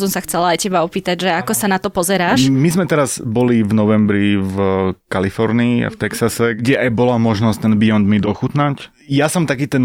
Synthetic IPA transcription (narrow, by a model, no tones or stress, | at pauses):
sɔmsaxt͡sɛlaajcɛbaɔpiːt̪aɟʒɛakɔsanat̪ɔpɔzɛɾaːʃmizmɛt̪ɛɾaz̥bɔlivnɔʋɛmbɾivkalifɔɾniia̰ft̪ɛksasɛɡɟɛʔajbɔlamɔʒnɔsct̪ɛnbiɔnd̪mid̪ɔxut̪nac | jasɔmt̪akiːt̪ɛn